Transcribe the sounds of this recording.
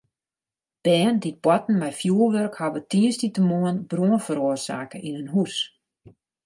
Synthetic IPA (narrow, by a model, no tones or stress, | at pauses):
b̥ɛːndit̚bwɔtn̩mɛjfjuəlˠʋørkhaʋətiəstitəmuənbruənfəɾoərsa̰ːkəʔinynɦus